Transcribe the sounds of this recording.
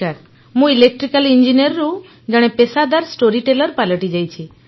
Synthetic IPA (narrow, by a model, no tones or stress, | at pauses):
aɾ | mũilek̚ʈɾikalind͡ʒiniɔɾːu | d͡ʒaɽ̃ɛpesad̪aɾsʈoɾiʈelɔɾpaləʈid͡ʒajt͡ʃʰi